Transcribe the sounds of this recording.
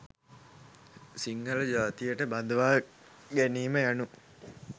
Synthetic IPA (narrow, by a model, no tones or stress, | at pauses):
siŋɡələd͡ʒaːt̪ijəʈəbad̪əʋaː | ɡæniːməjanu